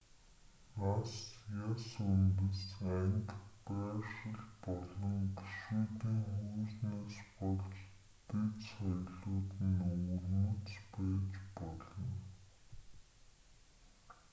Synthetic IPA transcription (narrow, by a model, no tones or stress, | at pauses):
nasjasɵnt̪ə̆sæŋkpæːʃə̆ɮpɔɮɞ̆ŋki̥ʃuːt̪iːŋxuːsneːspɔɮt͡ɕ | t̪et͡ssɔjɮʊːt̪ɘ̆nurmɵ̆t͡spæːt͡ɕpɔɮɞ̆n